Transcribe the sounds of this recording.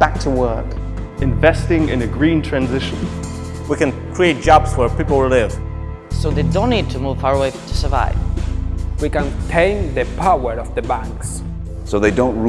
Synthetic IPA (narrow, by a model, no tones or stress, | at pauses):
b̥æk̚tʰəwɜ˞k | ɨ̃ɱvɛstɪ̃ŋɪ̰̃nɨɡɹĩntʰɹ̥æ̃nzɪʃə̃n | wikɨ̃nkʰɹ̥ieɪt̚d̥ʒ̥ɑbzwə˞pipl̩ˠlɪv̥ | soʊðeɪdõʊ̃nːid̚tʰɨmuv̥fɑɹəweɪtʰɨ̥sə˞va̰ɪv | wikə̃ntʰẽɪ̃nðɨpʰawə˞ɔvðəbæ̃ŋks | soʊðeɪdõʊ̃n